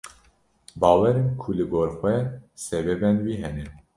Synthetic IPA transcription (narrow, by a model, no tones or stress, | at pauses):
bɑːwɛɾenkʰulɨɡoːɾxwɛsɛbɛbɛnwiːɦɛnɛ